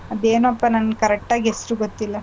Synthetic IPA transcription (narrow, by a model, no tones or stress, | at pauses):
ɐd̪eːnuɐpːɐnɐnkɐɾɛk̚ʈaːɡiɦesɾuːɡot̪ːilːɐ